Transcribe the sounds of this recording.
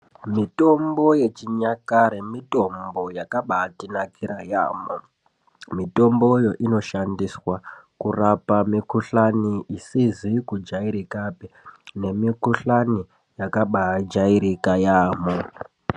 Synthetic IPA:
mito̞mbo̞je̞t͡ʃiɲakaɾemito̞mbo̞jakaɓatinakiɾajaːmo | mito̞mbo̞jo̞ʔino̞ʃandiswakurapamikuɬaniʔisizikud͡ʒaiɾikapine̞mikuɬani | jakaɓad͡ʒaiɾikajaːmo

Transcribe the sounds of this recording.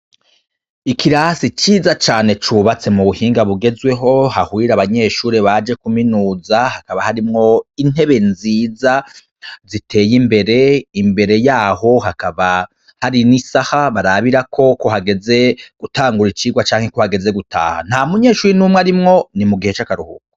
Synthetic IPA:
ikiɾasit͡ʃiːzat͡ʃaːne̞t͡ʃuːβat͡se̞muβuhiːŋɡaβuɡe̞zwe̞ɦo̞hahuiɾaβaɲe̞ːʃuːɾeβad͡ʒe̞kuminuːzahakaβahaɾimŋo̞in̥he̞βe̞nziːza | zitʰe̞ːjimbe̞ɾe̞imbe̞ɾe̞jaːho̞hakaβa | haɾinisahaβaɾaβiɾakʰo̞ko̞haɡe̞ze̞ɡ̥utaːŋɡuɾit͡ʃiːɡwat͡ʃaːŋhe̞ko̞haɡe̞ze̞ɡutʰa̰ːha̰n̥amuɲe̞ːʃuːɾinumŋwaɾimŋo̞nimuɡihe̞t͡ʃakaɾuhṵkoo̥

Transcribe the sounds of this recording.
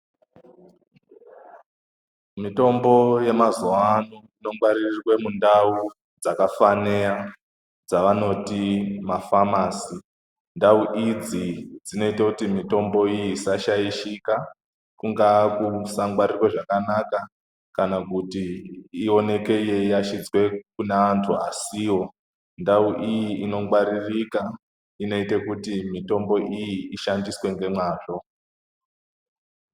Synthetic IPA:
mito̞mbo̞je̞mazoanoino̞ŋɡwaɾirrwe̞mundau | d͡zakafanea | d͡zaʋano̞timafamaːsi | ndauʔid͡zid͡zino̞itakutimito̞mbo̞ijisaʃaiʃika | kuŋɡaːkusaŋɡwaɾirweʐakanaka | kanakutiːo̞ne̞ke̞jejaʃid͡zwe̞kuneantʰuasiwo̞ | ndauʔijiino̞ŋɡwaɾirika | ino̞itekutimito̞mbo̞ʔijiiʃandiswe̞ŋɡe̞mwaːʐo̞

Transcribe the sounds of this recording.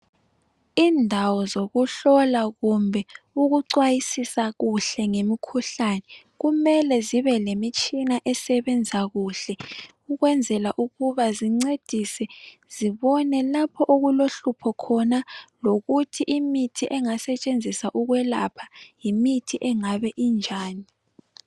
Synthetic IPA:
iːndʱawɔzoɣuɬɔlaɣumbʱɛ | uɣuǀwajisisaɣuɬɛŋemikʰuɬanɛ | ɣumɛlɛziβɛlemit͡ʃʼinaʔɛsɛβɛnd͡zʱaɣuɬɛ | uɣwɛnd͡zʱɛlaʔuɣuβaziŋ͡ǀed̥ʱisɛz̥iβɔnɛlapʰɔʔoɣuloɬupʰɔkʰɔnaloɣutʰiʔimitʰiʔɛŋasɛt͡ʃʼend͡zʱisaʔuɣwɛla̰pʰḁjimitʰiʔɛŋaβɛʔind͡ʒʱaːni

